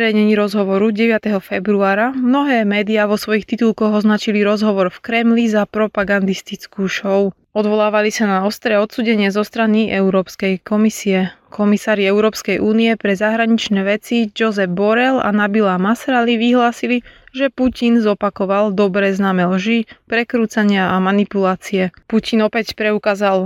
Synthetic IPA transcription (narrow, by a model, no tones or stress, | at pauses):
ɛɾɛjɲɛɲiɾɔzɦɔʋɔɾuɟɛʋɪat̪ɛɦɔfɛbɾuaːɾamnɔɦɛːmɛːd̪iaːʋɔsʋɔjixt̪it̪ulkɔɣɔznat͡ʃiliɾɔzɦɔʋɔɾfkɾɛmlizapɾɔpaɡand̪ist̪it͡skuːʃɔʊ | ɔd̪ʋɔlaːʋalisanaɔst̪ɾɛːɔt̪suːɟɛɲɪɛzɔst̪ɾaniʔɛʊɾɔːpskɛjkɔmisiɛkʰɔmisaːɾiɛʊɾɔːpskɛjʔuːniɛpɾɛzaɦɾaɲit͡ʃnɛːʋɛt͡sid͡ʒɔzɛvbɔɾɛla̰nabilaːmasɾaliʋiɦlaːsiliʒɛpucinzɔpakɔʋalˠd̪ɔbɾɛːznaːmɛlʒipɾɛkɾuːt͡saɲɪaamanipulaːt͡siɛpucinɔpɛcpɾɛukaːzalˠ